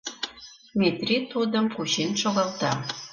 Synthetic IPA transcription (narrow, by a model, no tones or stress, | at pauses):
met̪ret̪od̪əmkuɕenʃoɣɑlt̪ɑ